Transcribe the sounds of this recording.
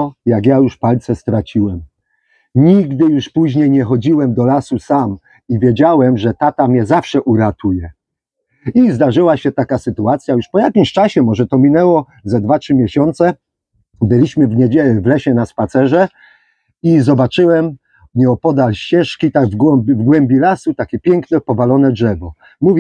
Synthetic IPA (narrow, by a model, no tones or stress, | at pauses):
ɔjaɡjajuʂpalt̪sɛst̪ɾat͡ɕiwɛm | ɲiɡd̪ɘjuʂpuʑɲejɲɛxɔd͡ʑiwɛmd̪ɔlasusam | ivʲjed͡ʑawɛmʐɛt̪at̪amʲjɛzafʂɛʔuɾat̪ʰujɛ | izd̪aʐɘwaɕɛt̪akasɘt̪uat̪sʲjajuʂpɔjakʲimɕt͡ʂaɕɛmɔʐɛt̪ɔmʲinɛwɔ | zad̪vatʂɘmʲjɛɕɔnt̪sɛ | bɘlʲiɕmɘvɲɛd͡ʑɛlɛvlɛɕɛnaspat̪sɛʐɛ | izɔbat͡ʂɘwɛm | ɲɛɔpɔd̪alɕt͡ɕɛʂkʲit̪aɡvɡwɔmbʲvɡwɛmbʲilasut̪akʲɛpʲjɛŋknɛpɔvalɔnɛdʐɛvɔ | muvʲ